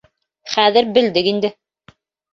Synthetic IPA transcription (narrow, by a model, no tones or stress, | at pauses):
χæðɘɾbɘ̆ld̪ɘkind̪ɘ